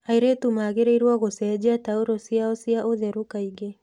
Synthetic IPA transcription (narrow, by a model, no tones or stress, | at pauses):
aiɾetumaɣeɾeiɾwaɣosɛːd͡ʒeataoɾosiaɔsiaʔoðɛɾukaiɡe